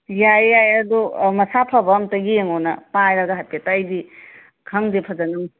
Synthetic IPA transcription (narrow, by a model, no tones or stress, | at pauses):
jajːajɐdumɐsapʰɐbɐmtɐɡijeŋonɐpajɾɐɡɐɦajpetajdi | kʰɐŋdepʰɐzɐnɐm